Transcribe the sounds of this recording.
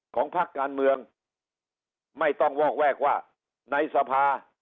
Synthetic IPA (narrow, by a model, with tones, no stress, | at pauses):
kʰɔː˩˦ŋpʰa˦˥˩kːaː˧nmɯ˧əŋ | ma˥˩jt̪ɔ˥˩ŋwɔː˥˩k̚wɛː˥˩k̚waː˥˩ | na˧jsa˧pʰaː˧